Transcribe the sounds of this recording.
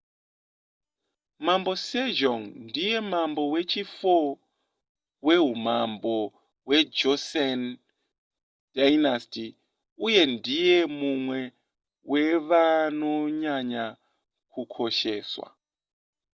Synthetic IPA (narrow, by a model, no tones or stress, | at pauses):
mambo̞sed͡ʒoŋndije̞mambo̞we̞t͡ʃifo | we̞ɦumambo | we̞d͡ʒosen | d̥ajnasti | uje̞ndije̞mumwe̞ | weʋano̞ɲaɲa | kʰukʰoʃeːswa̰